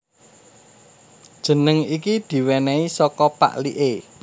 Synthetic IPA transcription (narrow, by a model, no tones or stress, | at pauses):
d̥ʒ̥ə̤nəŋikid̪̥i̤wɛnɛisɔkɔpa̰ʔliʔe